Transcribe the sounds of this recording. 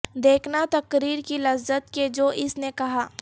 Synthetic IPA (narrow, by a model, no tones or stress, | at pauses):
d̪eːkʰnat̪ɐkɾiːɾkilɐzət̪ked͡ʒoːʔɪsnekɐɦaː